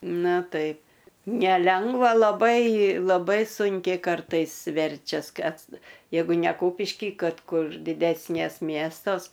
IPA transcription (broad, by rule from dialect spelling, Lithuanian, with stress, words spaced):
ˈnʊ ˈtɐɪp nʲɛˈlʲɛŋɡʋɐ lˠɐˈbɐɪ lˠɐˈbɐɪ ˈsʊŋʲkʲɛɪ ˈkɐrtɐɪs ˈʋʲɛrʲt͡ʃʲɛs ˈkɐs ˈjɛɪɡʊ nʲɛ ˈkuːpʲɪʃʲkʲiː ˈkɐt ˈkʊr dʲɪˈdʲæːsʲnʲeːs ˈmʲiɛstoːs